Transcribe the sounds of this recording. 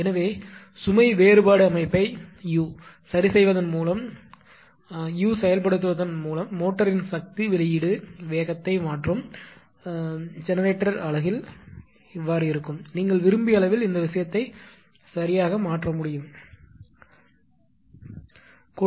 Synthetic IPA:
ɛnɐʋeː | sʊmɐɪʋeːɾɯbaːɽɯɐmɐɪpːɐɪjuː | sɐɾɪsɛjʋɐðɐnmuːlɐm | juːsɛjɐlpɐɽɯt̪ːɯʋɐðɐnmuːlɐmːoːʈːɐɾɪnsɐk̚t̪iʋɪlɐjɪɽɯʋeːɣɐt̪ːɐɪmaːʈrɯm | d͡ʒɛnɐɾeːʈːɐɾɐɭɐɣɪl | ɪʋːaːɾɯɪɾɯkːɯmniːŋɡɐɭʋɪɾɯmbɪjɐlɐʋɪlɪnd̪ɐʋɪʂɐjɐt̪ːɐɪ | sɐɾɪjaːɣɐmaːʈrɐmʊɽɪjɯm | k

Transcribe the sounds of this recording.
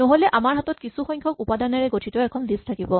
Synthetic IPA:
noɦolɛʔamaɹɦatɔt̚kisuxɔjŋkʰɔk̚upadanaɹɛɡotʰitɔɛkʰɔndistʰakibɔ

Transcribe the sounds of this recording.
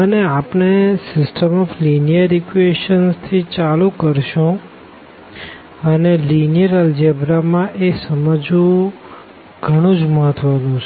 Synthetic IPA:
əneapnesɪsʈʰəmɔflinijəɾikʋeʃənst̪ʰit͡ʃalukəɾʃũ | ənelinijəɾəld͡ʒebɾamãʔesəməd͡ʒũ | ɡʱəɽ̃ũd͡ʒməɦət̪ʰʋanũt͡ʃʰe

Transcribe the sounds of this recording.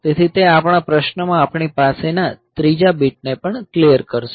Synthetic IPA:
t̪et̪ʰit̪eapɳ̃apɾəʃnəmãːpɳ̃ipasenat̪ɾid͡ʒabiʈ̚nepəɳklijəɾkəɾʃ

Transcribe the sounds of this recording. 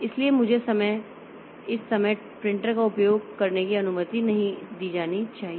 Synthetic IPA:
ɪsliemʊd͡ʒʱesɐməj | ɪsːɐməj | pɾɪ̃ɳʈəɾkaʊpjoːɡ̚kɐɾnekiɐnʊmət̪inɐɦĩd̪iːd͡ʒaːnit͡ʃaːɦie

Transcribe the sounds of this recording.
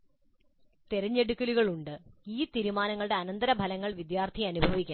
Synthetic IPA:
t̪eɾɐɲːe̞ɽukːɐluɣɐɭuɳɖɨiːt̪iɾumaːnɐŋːɐɭɽe̞ɐnɐnd̪ɐɾɐbʱɐlɐŋːɐɭʋid̪jaːrt̪ʰiɐnubʱɐʋikʲːa

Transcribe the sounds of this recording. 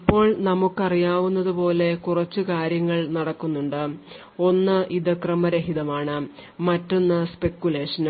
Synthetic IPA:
ipːo̞ːɭnɐmukːɐrijaːʋunːɐðupo̞ːle̞kurɐt͡ɕːukaːɾjɐŋːɐɭnɐɽɐkːunːuɳɖɨ | o̞nːɨʔiðɨkrɐmɐɾeɦiðɐmaːɳɨmɐtːonːɨspe̞kːjule̞ːʂɐn

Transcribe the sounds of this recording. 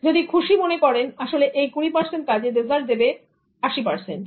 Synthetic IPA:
d͡ʑod̪ikʰuʃimonekɔɾenaʃoleʔejkuɽ̃ipaɾsenʈ̚kad͡ʑed̪ezʱal̚d̪ebe | aʃipaɾsenʈ

